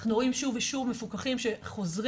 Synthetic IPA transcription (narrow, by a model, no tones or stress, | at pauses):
χnuʁoimʃuviʃuvmefukaχimʃe̞χo̞zʁi